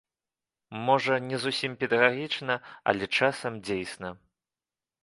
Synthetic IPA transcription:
mɔʐɐnʲɛzusʲimpʲɛd̪ɐɣaɣʲit͡ʂnɐɐ̰lʲɛt͡ʂasɐmd͡zʲejsnɐ

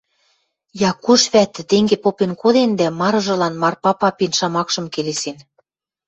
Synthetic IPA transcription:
jɑkuʃβæt̪ːɘ̆t̪eŋɡepopenkod̪end̪æmɑɾɤ̆ʒɤ̆lɑnmɑrpɑpɑpinʃɑmɑkʃɤ̆mkelesen

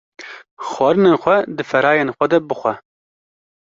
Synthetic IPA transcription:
xwɑːɾɨneːnxʷɛd̪ɨfɛɾɑːjenxʷɛd̪ɛbɨxʷɛ

